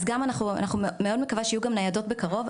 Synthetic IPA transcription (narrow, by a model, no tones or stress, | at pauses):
zɡamanaχua̰naχummeo̞d̪mekavaʃejuɡamnajado̞tbekaʁo̞v